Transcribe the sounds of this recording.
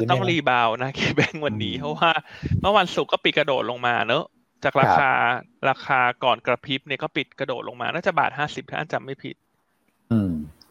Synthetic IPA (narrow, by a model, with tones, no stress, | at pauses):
t̪ɔ˥˩ŋɾiː˧baː˧wna˦˥kʰiː˧˩bɛ˦˥˩ŋwa˧nːiː˦˥pʰɔ˦˥waː˥˩mɤ˥˩˨wa˧nsu˨˩kːɔː˥˩pi˨˩t̪̚kɾa˧doː˨˩t̪̚lo˧ŋmaː˧nɤ˦˥ | t͡ɕaː˨˩k̚ɾaː˧kaː˧ɾaː˧kʰaː˧kɔː˨˩nkɾa˧pʰi˦˥p̚ni˥˩kɔː˥˩pi˨˩t̪̚kɾa˧doː˨˩t̪̚lo˧ŋmaː˧naː˥˩t͡ɕa˨˩ba̰ː˨˩t̪̚ɦaː˥˩si˨˩p̪̚ʰiː˦˥ʔa̰˧˩nt͡ɕa˨˩mːa˥˩jpʰḭ˨˩t̪̚ | ʔɯː˧˩